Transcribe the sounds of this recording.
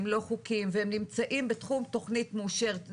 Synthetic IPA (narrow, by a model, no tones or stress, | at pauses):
mlo̞χukimvehemnimt͡saʔimbetχumto̞χnitmuʃeʁet